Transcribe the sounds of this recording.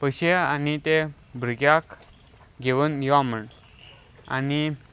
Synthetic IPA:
pəɕeanit̪e | bʱɾəɡjak | ɡeʋənʋaməɳ | a̰ni

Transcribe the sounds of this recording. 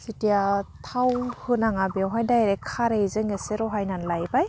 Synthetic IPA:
sitijatʰawhɯnaŋabiwɦajdajɾekʰaɾejzɯŋeseɾɔɦajnanlajbaj

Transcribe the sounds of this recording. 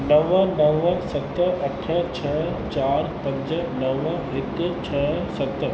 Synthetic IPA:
nɐʋənɐʋəsɐt̪əɐʈʰət͡ɕʰɐə | t͡ɕaːɾpɐ̃ɲd͡ʒənɐʋəɦɪt̪ːət͡ɕʰəsɐt̪ə

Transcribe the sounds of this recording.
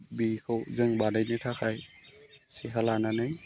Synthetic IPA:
bikʰɯwzɯŋbanɯjnɯtʰakʰaj | siɦalananɯj

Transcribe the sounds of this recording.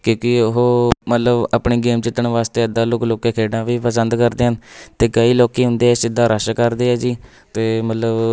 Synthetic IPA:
kjõːkɪɦoːmət̪ləbapɳeːɡeːmt͡ʃɪt̪ːəɳʋaːst̪eːəd̪aːlʊkloːkeːkʰeːɖãːʋiːpəsənd̪kəɾd̪eːɦənt̪eːkəiːloːkiːɦʊ̃nd̪eːɛsɪd̪ːaːɾəʃkəɾd̪eːɛːd͡ʒiː | t̪eːmət̪ləb

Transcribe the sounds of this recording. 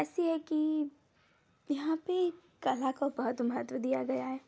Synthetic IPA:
ɛːsiɦɛki | jɐɦãpe | kɐlakobɐɦʊt̪mɐɦət̪ʋəd̪ijaɡɐjaɦɛː

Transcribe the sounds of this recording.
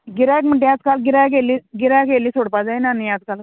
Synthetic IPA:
ɡiɾajkm̤əʈ̬ejat͡skalɡiɾajk̬eliːɡiɾajkeliːsoɽpad͡zajnanijat͡skal

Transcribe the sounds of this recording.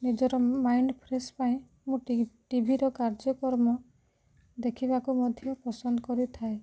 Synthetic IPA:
nid͡ʒɔɾɔmajnpʰɾispaĩ | mũʈibʱiɾɔkaɾd͡ʒɔkɔɾmɔ | d̪ekʰibakumɔd̪ʱjɔpɔsɔnd̪ɔkɔɾit̪ʰae

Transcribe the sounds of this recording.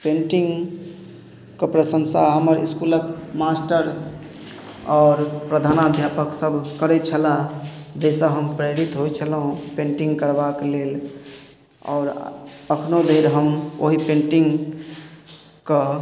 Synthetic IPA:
peɳʈiŋɡ | kəpɾəsənsaɦəməɾḭskuləkmasʈəɾ | ɔːɾpɾəd̪ʱanad̪ʱjapəksəbʱkəɾɛt͡ʃʰəlad͡ʒɛsə̃ɦəmpɾeɾit̪ɦojt͡ʃʰəlɦũpẽɳʈiŋɡkəɾbaklel | ɔ̰ːɾəkʰnod̪ʱeɾɦəmo̰ɦipẽɳʈiŋɡ | kə

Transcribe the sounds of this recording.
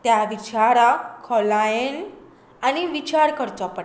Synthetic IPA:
t̪jaʋit͡ɕaɾakʰɔlajen | añiʋit͡ɕaɾkəɾt͡sɔpəɽ

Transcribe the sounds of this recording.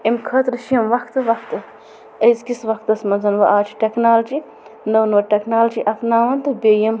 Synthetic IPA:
emkʰɐt̪ɾʃiɐmʋɐkʰt̪ɨʋɐkʰt̪ɨ | ɐjzkisʋɐkt̪ɐsmɐnzɐnʋɐʔaːt͡ʃʰi̥ʈeknaːld͡ʒi | nɐwnoːʈeknaːld͡ʒiʔɐpnaːʋɐnt̪ɨbʲeːjɐm

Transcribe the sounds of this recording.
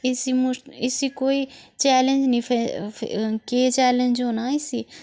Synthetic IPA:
ɪsimuɪsikoːit͡ʃɛːlẽnd͡ʒnĩfʰḛ | ket͡ʃɛːlẽnd͡ʒonaːɪsi

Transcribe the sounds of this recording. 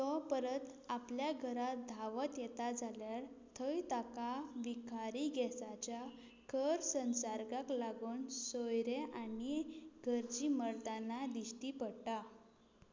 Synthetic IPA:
t̪ɔpəɾət̪apljaɡʱəɾat̪̚d̪ʱaʋət̪jɛt̪ad͡zʱaljaɾ | t̪ʰəjt̪akaʋikaɾiɡɛsat͡ɕja | kʰəɾsənsaɾɡaklaɡuːnsojɾeʔaniɡʱəɾt͡ɕiːməɾt̪anad̪iɕʈiːpəɽʈa

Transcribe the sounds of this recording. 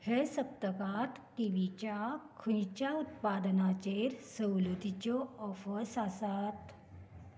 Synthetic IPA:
hesəp̚t̪əkat̪kiʋit͡ɕakʰũjt͡ɕaut̪̚pad̪ənat͡ɕeɾsəwlud̪ʱit͡ɕɔɔfəsasat̪

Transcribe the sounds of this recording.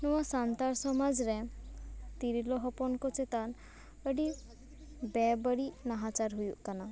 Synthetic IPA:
nɔwasant̪aɾsɔmad͡ʒɾɛ | t̪iɾilɔɦɔpɔnkɔt͡ʃet̪an | əɖi | bɛbəɽinaɦat͡ʃaɾɦujuʔkana

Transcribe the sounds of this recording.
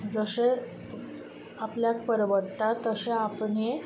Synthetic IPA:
d͡zəɕe | apljak̚pəɾʋəɾt̪at̪ːəɕeapɳe

